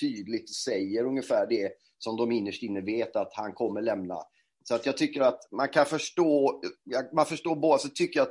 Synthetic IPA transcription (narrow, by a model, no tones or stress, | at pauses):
t̪ʰyːd̪lɪɡ̚t̪sɛjːəɾɵŋjəfæːɖɛ | sɔmd̪ɔmɪnːəʂʈɪnːəveːt̪at̪hankʰɔmːəɭɛmna̰ | sɔat̪jɑːɡ̚t̪ʰʏkːəɾat̪mankʰanfœʂʈoːjɑmanfœʂʈoːboːd̪asɛt̪ʰʏkːəjat̪